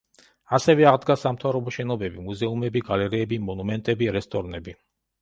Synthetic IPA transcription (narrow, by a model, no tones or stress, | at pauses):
asɛvɛaʁd̪ɡasamt̪ʰavɾɔbɔʃɛnɔbɛbimuzɛumɛbiɡalɛɾiɛbimɔnumɛnt̪ʼɛbiɾɛst̪ʼɔɾnɛbi